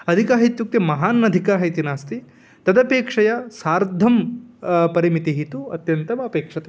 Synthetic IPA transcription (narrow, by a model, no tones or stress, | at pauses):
ɐd̪ʱikaːɦit̪juk̚t̪imɐɦaːnːɐd̪ʱikaːɦɐjt̪inaːst̪i | t̪ɐd̪ɐpeːkʂɐjɐsaːɾd̪ʱɐm | pɐɾimit̪iɦit̪uɐ̰t̪jɐnt̪ɐmɐpeːkʂɐt̪e